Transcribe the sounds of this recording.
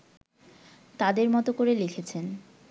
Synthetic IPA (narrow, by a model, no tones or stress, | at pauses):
t̪ad̪eɾmɔt̪okoɾelekʰet͡ɕʰen